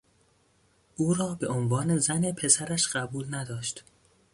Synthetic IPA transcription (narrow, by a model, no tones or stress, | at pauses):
ʔuːɾɒːbe̞onvɒːne̞zæne̞pʰe̞sæɾæʃɢ̥æbuːlnæd̪ɒːʃt̪